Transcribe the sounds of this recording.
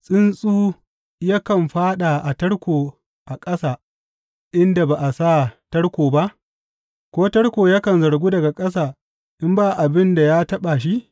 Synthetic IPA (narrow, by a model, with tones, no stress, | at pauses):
sʼɪ˦nsʼuː˦ | ja˦kɐ˨mɸaː˦ɗa˨ʔa˨tɐ˦ɽkʷoː˨ | ʔa˨kʼɐ˦saː˨ | ʔɪ˦nda˨ba˨ʔa˨saː˦tɐ˦ɽkʷoː˨ba˦ʔ | kʷoː˦tɐ˦ɽkʷoː˨ja˦kɐ˨nzɐ˨ɽɡʷuː˦dɐ˨ɡa˨kʼɐ˦s̬aː˨ | ʔɪ˦mbaː˦ʔa˨bɪ˦nda˨jaː˦tɐ˦ɓa˨ʃ̬i˦